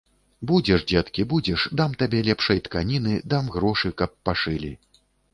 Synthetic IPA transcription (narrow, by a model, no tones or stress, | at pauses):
bud͡zʲɛʂd͡zʲɛt̪kʲibud͡zʲɛʂd̪amt̪abʲɛlʲɛpʂɐjt̪kanʲinɨd̪amɣɾɔʂɨkɐpːaʂɨlʲi